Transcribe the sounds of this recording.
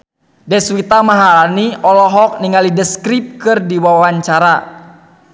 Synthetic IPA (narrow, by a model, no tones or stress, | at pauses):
dɛswit̪amaɦalaniʔɔlɔɦɔk̚niŋalidəskɾip̚kɨrdiwawaɲt͡ʃaɾa